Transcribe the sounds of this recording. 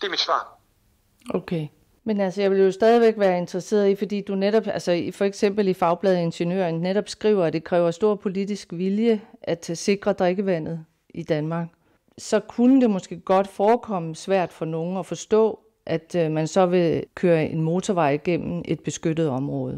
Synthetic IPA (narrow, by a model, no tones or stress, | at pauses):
d̥e̝ɐmid̥sʋɑ̰̈ː | ʔokʰe | menælsəjɑ̈ɪʋejosd̥ɛːð̞ˠiʋeɡ̥ʋæːɐe̝nd̥ʁɐse̝̰ːɐðˠifɒ̽d̥ḭːd̥uneɾɒ̽b̥ælsəfɒ̽eɡ̥sem̰b̥l̩ifɑ̈ʊb̥lɛðˠe̝nɕənjø̰ːɐnneɾɒ̽b̥sɡ̥ʁḭːʊɐæd̥e̝kʰʁɛ̰ːʊɐsd̥o̝ɐ̰pʰo̝lid̥isɡ̥ʋiljəʔæd̥se̝ɡ̥ʁɐd̥ʁeɡ̥əʋæn̰ð̞̩ˠ | id̥ænmɑ̈ɡ̥ | sɒ̽kʰunəd̥e̝mɒ̽sɡ̥e̝̰ːɡ̥ɒ̽d̥fɒːkʰɒ̽məsʋæɐ̰d̥fɒ̽no̝ːŋ̩ɒfɒ̽sd̥ɔ̰̽ː | ʔæd̥mænsɒ̽ʋe̝kʰøːɐʔe̝nmo̝ːt͡sʰɒʋɑ̈ɪɡ̥en̰m̩ʔe̝d̥̚b̥e̝sɡ̥ød̥ð̩ˠɒ̽mʁɔ̽ːð̞̩ˠ